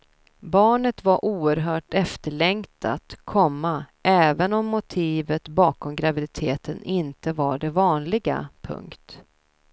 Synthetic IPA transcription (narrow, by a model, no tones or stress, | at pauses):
bɑːɳət̪vaɾʔuːəɾɦœːʈɛft̪əɭɛŋkt̪a̰t̪kʰɔmːaʔɛːvənɔmːʊt̪ʰiːvət̪bɑːkɔmɡɾavɪd̪ɪt̪ʰeːt̪ənʔɪnt̪əvaɖɛvɑːnlɪɡa̰pʰɵ̰ŋkt̪